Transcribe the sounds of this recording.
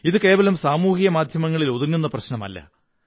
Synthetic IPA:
iðɨke̞ːʋɐlumsaːmuːhijɐmaːd̪ʱjɐmɐŋːɐɭilo̞ðuŋːunːɐprɐɕnɐmɐ̰lːɐ̰

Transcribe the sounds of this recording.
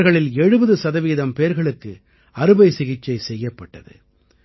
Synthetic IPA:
ɾɣɐɭɪlɛɻɯbɐðɯsɐðɐʋiːðɐmpeːɾɣɐɭɯkːɯ | ɐɾɯbɐɪsɪɣɪt͡ʃːɐɪsɛjːɐpːɐʈːɐðɯ̰

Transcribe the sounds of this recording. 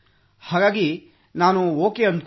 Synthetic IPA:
haːɡaːɡi | naːnuoːkeɐnd̪

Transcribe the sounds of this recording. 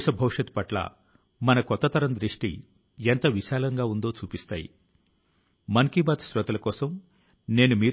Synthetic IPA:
ʃɐbʱɐwʂɐt̪pɐʈlɐ̰ | mɐnɐkɔt̪ːɐt̪ɐɾɐnd̪ɾiʂʈḭ | ent̪ɐʋiʃaːlɐŋɡaːund̪o̞ːt͡ʃuːpist̪a̰ːjḭ | mɐŋkibaːt̪sɾɐt̪ɐlɐkɔːsɐm | ne̞ːnumiː

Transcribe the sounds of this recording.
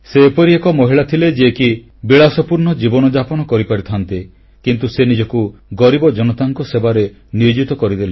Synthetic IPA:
seːpɔɾiekɔmɔɦiɭat̪ʰiled͡ʒeki | biɭasɔpuɾnɔd͡ʒibɔnɔd͡ʒapɔnɔkɔɾipaɾit̪ʰant̪i | kint̪usenid͡ʒɔkuɡɔɾibɔd͡ʒɔnɔt̪aŋkɔsebaɾe | niod͡ʒit̪ɔkɔɾid̪ele

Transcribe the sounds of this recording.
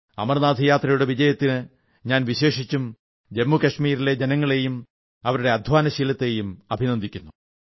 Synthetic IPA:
ɐ̰mɐrnaːd̪ʱɐjaːt̪rɐjuɽe̞ʋid͡ʑɐjɐt̪ːinɨ | ɲaːnʋiɕe̞ːʂit͡ɕːum | d͡ʑemːukɐʂmiːɾile̞d͡ʑenɐŋːɐɭe̞jum | ɐʋɐɾuɽe̞ɐd̪ʱʋaːnɐɕiːlɐt̪ːe̞ːjumɐbʱinɐnd̪ikʲːunːu

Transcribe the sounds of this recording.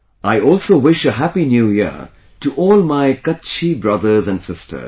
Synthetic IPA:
ʔaɪɔːlˠsoːwɪʃəɦæpinjuːjḭ | tuʔɔːlmaɪkʌtt͡ʃibɹʌd̪ə˞zæ̃nɖsɪstʰə̰

